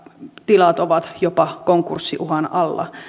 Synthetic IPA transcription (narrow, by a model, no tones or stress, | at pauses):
t̪ilɑt̪oʋɑt̪jopɑkoŋkursːiʔuhɑnɑlːɑ̰